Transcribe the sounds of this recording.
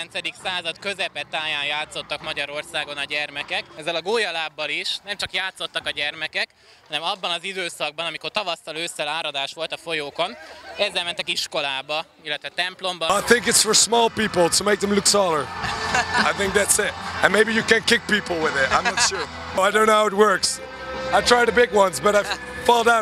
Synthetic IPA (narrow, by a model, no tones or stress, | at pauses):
ɛnt̪sɛd̪iksaːzɒt̪kø̞zɛpɛt̪aːjaːnjaːt̪so̞t̪ːɒkmɒɟɒɾo̞rsaːɡo̞nɒɟɛrmɛkɛkɛzːɛlɒɡoːjɒlaːbːɒliʃnɛmt͡ʃɒkjaːt̪so̞t̪ːɒkɒɟɛrmɛkɛk | hɒnɛmɒbːɒnɒzid̪øːsɒɡ̚bɒnɒmiko̞rt̪ɒvɒst̪ɒløːsːɛlaːɾɒd̪aːʃʋo̞lt̪ɒfo̞joːko̞nɛzːɛlmɛnt̪ɛkiʃko̞laːbɒ | ilːɛt̪ʋɛt̪ɛmplo̞mbɒaɪθɪ̃ŋkɨtsfə˞smɔlˠpipl̩ˠtʰəmeɪk̚ðə̃mlʊksɔlˠə˞ | aɪθɪ̃ŋk̚ðætsɪt̚ɨ̃nmeɪbijɨkɨ̃nkɪk̚pipl̩ˠwɪðɪtã̰ɪ̃mnɑtʃuɹ | aɪdõʊ̃nːohaʊɪɨt̚wɜ˞ks | aɪtʰɹ̥aɪɾəbɪɡwʌ̃nzbʌɾaɪ | fɔlˠdãʊ̃